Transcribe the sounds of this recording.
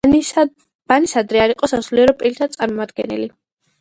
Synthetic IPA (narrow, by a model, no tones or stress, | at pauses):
b̥anisad̪ɾɛaɾiqʼɔsasuliɛɾɔpʼilt̪ʰat̪sʼaɾmɔmad̪ɡɛ̰nɛ̰li